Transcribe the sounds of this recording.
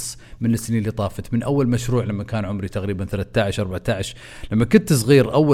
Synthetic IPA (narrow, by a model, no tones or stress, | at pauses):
sˤ | mɪnɪsːniːnliːt̪ˤɑːfɑt̪mɪnʔawːalmaʃɾuːʕlamːakaːnʕʊmɾit̪aɣɾiːbanθalaθt̪ːaʕɪʃʔɑɾˤbaʕt̪aʕɪʃ | lamːakʊnt̪sˤɣiːɾʔawːa